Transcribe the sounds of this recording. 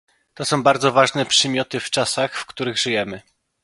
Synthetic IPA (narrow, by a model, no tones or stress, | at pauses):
t̪ɔsɔ̃w̃baɾd̪zɔvaʐnɛpʂɛmʲjɔt̪ɘft͡ʂasaxfkt̪uɾɘɣʐɘjɛmɘ